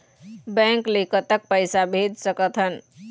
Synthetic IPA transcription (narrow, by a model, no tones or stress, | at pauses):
bɛ̃ŋklekət̪ək̚pəjsabʱed͡ʒ̪səkət̪ɦən